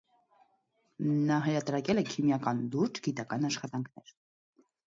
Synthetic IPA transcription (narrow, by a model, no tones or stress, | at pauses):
nɑɦɛɾɑt̪ɾɑkɛlɛkʰimjɑkɑnluɾd͡ʒɡit̪ɑkɑnɑʃχɑt̪ɑŋkʰnɛɾ